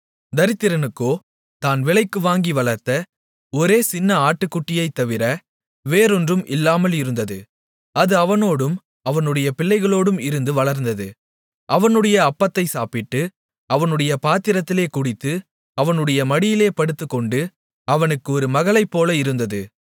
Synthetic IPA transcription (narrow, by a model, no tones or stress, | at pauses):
d̪ɐɾɪt̪ːɪɾɐnɯkːoː | t̪aːnʋɪɭɐɪkːɯʋaːŋɡiʋɐɭɐɾt̪ɐ | ɔɾeːsɪnːɐaːʈːɯkːʊʈːɪjɐɪt̪ːɐʋɪɾɐ | ʋeːɾɔndrɯmʔɪlːaːmɐlɪɾɯnd̪ɐðɯ | ɐðɯɐʋɐnoːɽɯm | ɐʋɐnɯɽɐjɐpɪlːɐɪɣɐɭoːɽɯmɪɾɯnd̪ɯʋɐɭɐɾnd̪ɐðɯ | ʔɐʋɐnɯɽɐjɐːpːɐt̪ːɐɪsaːpɪʈːɯ | ɐʋɐnɯɽɐjɐpaːt̪ɪɾɐt̪ːɪleːkʊɽɪt̪ːɯ | ɐʋɐnɯɽɐjɐmɐɽɪjɪleːpɐɽɯt̪ːɯkːɔɳɖɯ | ɐʋɐnɯkːɯɔɾɯmɐɣɐɭɐɪpːoːlɐɪɾɯnd̪ɐðɯ